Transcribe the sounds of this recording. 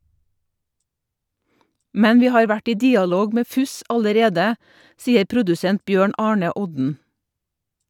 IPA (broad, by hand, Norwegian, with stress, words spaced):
ˈmɛn ˈʋiː ˈhɑːɾ ˈʋæʈ ˈiː ˈdiːɑˌloːɡ ˈmeː ˈfʉs ɑləˈɾeːdə ˈsiːəɾ ˈpɾʊdʉsɛnt ˈbjøːɳ ˈɑːɳə ˈɔdn̩